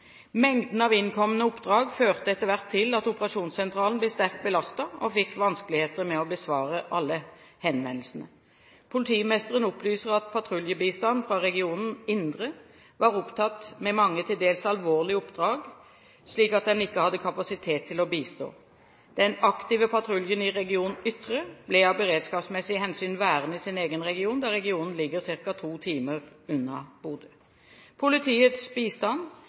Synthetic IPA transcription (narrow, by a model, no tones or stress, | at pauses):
mɛŋd̪n̩ɑʋɪnkʰɔmənəʊpːd̪ʁɑːɡføːʁt̪əɛt̪ːəʋæʁt̪ʰːɪlɑt̪ʊpəʁɑʃuːnsɛnt̪ʁɑːlnblɛst̪æʁk̚t̪̚bəlɑst̪ɑɔfɪkʋɑnskəlɪheːt̪əʁmɛɔbəsʋɑːʁəʔɑlːə | hɛnʋɛnlsən̩ə | pʰʊlɪt̪ʰiːmɛst̪əʁənʊplyːsəʁɑt̪̚pʰɑt̪ʰʁʊljəbiːst̪ɑnfʁɑʁɛɡɪuːnən̩ɪnd̪ʁə | ʋɑːʁʊpt̪ʰɑt̪mɛmɑŋːət̪ʰɪld̪eːlsɑlʋoːʁlɪəʊpd̪ʁɑːɡ | ʂliːkɑt̪̚d̪ɛnɪkːəhɑd̪ːəkʰɑpɑsɪt̪ʰeːt̪ʰːɪlɔbiːst̪o̰ː | d̪̥ɛnɑkt̪iːʋəpʰɑt̪ʰɾʊljənɪʁɛɡɪuːnn̩ʏt̪ʁəblɛɑːʋbəʁeːd̪skɑːpsmɛsɪhɛnsyːnʋæːʁənɪsɪneːɡənʁɛɡɪuːnd̪ɑʁɛɡɪuːnn̩lɪɡːəʁsɪʁkɑt̪ʰuːt̪ʰiːməʁʉnːɑ̰b̥uːd̪ə | pʰʊlɪt̪ʰiːət̪sbiːst̪ɑn